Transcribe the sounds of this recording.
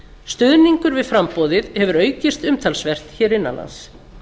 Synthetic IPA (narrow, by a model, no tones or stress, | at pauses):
st̪ʏðniŋkʏɾvɪðfɾampɔðɪðhɛvʏɾœːɥcɪst̪ʏmt̪ʰalsvɛr̥t̪çɛːɾɪnːa̰na̰ns